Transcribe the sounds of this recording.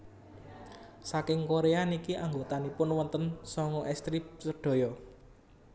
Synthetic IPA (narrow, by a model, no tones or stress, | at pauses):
sakɪŋkoɾeanikiʔaŋɡot̪anipʊnwɔnt̪ənsɔŋɔʔɛst̪ɾip̚səɖ̥o̤jɔ